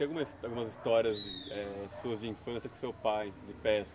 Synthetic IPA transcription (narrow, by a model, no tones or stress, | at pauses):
awɡumɐawɡũmɐzist̪ɔɾiɐzd͡ʒɪɛsuɐzd͡ʒɪĩfɐ̃sijɐkõsewpajd̪ɪpɛs